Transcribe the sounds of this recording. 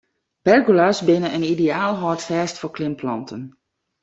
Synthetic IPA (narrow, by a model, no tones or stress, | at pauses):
b̥ɛrɡulasbɪnəənideaːlˠɦɔːtfɛːstfoɹklɪmplɑ̰ntʰən